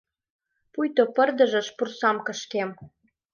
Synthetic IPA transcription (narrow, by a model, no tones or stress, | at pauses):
pujt̪opərd̪ɤ̆ʒə̆ʃpursɑmkə̆ʃk̪em